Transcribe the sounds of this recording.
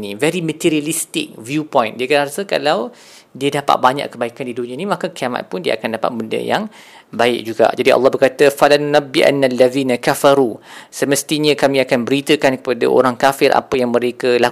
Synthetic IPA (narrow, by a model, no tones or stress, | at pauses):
nivɛɾimət̪iɾialist̪ɪk̚vjupɔjndiəkədahaɾasəka̰law | diədapa̰t̪̚baɲa̰ʔkːəbaikandidunĩãnimãkakiama̰t̪̚pʊndiə̰a̰kandapa̰t̪̚bəndə̰ja̰ŋ | baɪ̰k̚d͡ʒuɡa̰ʔd͡ʒadiʔɑ̰lːɑhbərkat̪əfalanunabːiʔa̰nːaalːaðiːnakafaɾusəməst̪iɲə̃kamĩakanbəɾit̪əkankə̥pada̰ʔo̰ɾaŋkafɪɾʔa̰pəjaŋməɾekəla